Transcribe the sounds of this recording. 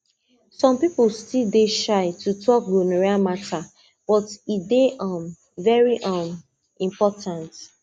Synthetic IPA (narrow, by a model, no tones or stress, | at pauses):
sɔ̃mpiplstildeʃaɪtʰutʰɔk̚ɡonaɹiamatʰa | b̥ɔtideʔʌ̃m | vɛɹiʔʌ̃m | ĩmpɔtʰãnt